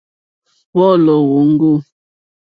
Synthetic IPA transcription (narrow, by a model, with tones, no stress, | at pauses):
wɔ˦lɔ˨wo˨˦ŋ̩˦ɡo˦˨